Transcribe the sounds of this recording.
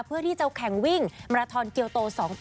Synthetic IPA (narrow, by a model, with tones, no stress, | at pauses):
pʰɯː˥˩ɐt̪ʰiː˥˩t͡ɕa˧wkʰɛ˨˩˦ŋwi˥˩ŋmɾaː˧t̪ʰɔː˧nki˧əwt̪oː˧sɔː˩˦ŋ